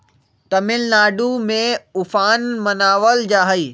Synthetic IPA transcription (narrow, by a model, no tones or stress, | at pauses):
t̪ɐmɪlnaːɖumẽʊfaːnmɐnaːʋəld͡ʑaːɦəiː